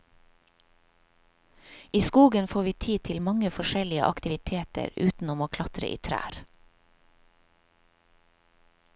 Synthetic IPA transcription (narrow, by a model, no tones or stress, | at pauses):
iːskuːɡənfoːʋiːt̪ʰiːt̪ʰɪlmɑŋəfɔʃɛlɪə̰ʔɑkt̪ɪʋɪt̪ʰeːt̪ə̰ɾʉːt̪n̩ʊmoːkʰlɑt̪ɾə̰ʔḭːt̪ʰɾæ̰ːɾ